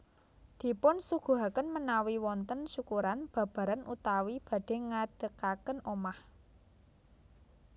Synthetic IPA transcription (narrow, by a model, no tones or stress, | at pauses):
d̪̥i̤pʊnsuɡ̥ṳɦakənmənawiwɔnt̪ənʃukuɾanb̥ä̤b̥ä̤ɾanʔut̪awib̥a̤ɖ̥e̤ŋad̥əkakənomah